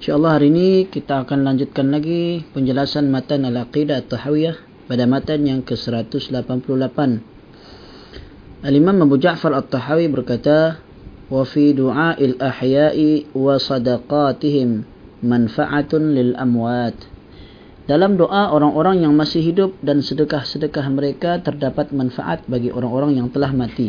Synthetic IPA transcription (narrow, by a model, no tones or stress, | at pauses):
nʃaʔlːɑhɦaɾiinikit̪aːkanlaɲd͡ʒut̪̚kanlaɡipəɲd͡ʒəlasanmat̪analaqidat̪ːˤɑħawiah | padamat̪anjaŋkəsəɾat̪ʊslapanpulʊhlapan | ʔalimamabud͡ʒaʔfarat̪ˤːɑħawibərkat̪a | wafiduʕaːʔalʔaħjaʔiwasɑdaqɑt̪iɦɪmː | anfaʔat̪lɪlʔamwat̪ | d̥alamdoʔaʔoɾaŋoɾaŋjaŋmasɪhɦidʊp̚dansədəkahsədəkahməɾekat̪ərdapat̪̚manfa̰ʔa̰t̪̚baɡiʔoɾaŋoɾaŋjaŋt̪əlahmãt̪i